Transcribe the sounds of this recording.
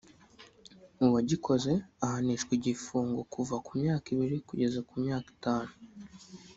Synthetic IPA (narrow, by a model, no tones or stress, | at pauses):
uβaɟikʰo̞ze̞ahaniʃkwiɟifuːŋɡo̞kʰuvakumɲaːkiβiɾikuɟe̞zakumɲaːki̥taːnu